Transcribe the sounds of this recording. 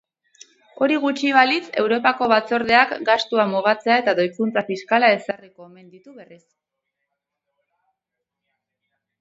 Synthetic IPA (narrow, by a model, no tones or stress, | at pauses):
o̞ɾiɣ̞ut͡ʃiβalit͡se̞wɾo̞pako̞βat͡so̞ɾð̞e̞akɡast̪uamuɣ̞at͡se̞ae̞t̪aðo̞jkunt͡safiskalae̞sareko̞eme̞nd̪it̪uβe̞ris